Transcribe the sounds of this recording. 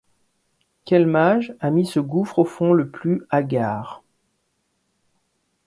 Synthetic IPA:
kʲɛlmaʒamisəɡufχofɔ̃ləplyaɡʲaːʁ

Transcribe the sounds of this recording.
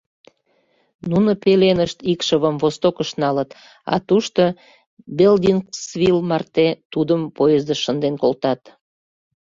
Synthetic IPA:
nunəpelenəʃt̪ikʃəβəmvost̪okəʃnɑlət̪ | ɑ̰t̪uʃt̪o | beld̪ʲinksvilmɑrt̪et̪ud̪əmpojəzd̪əʃənd̪enkolt̪ɑt̪

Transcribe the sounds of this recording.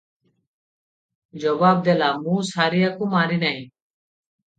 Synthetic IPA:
d͡ʒəbaːb̚d̪eːlaːmũːsaːɾiːjaːkũːmaːɾiːnaːĩː

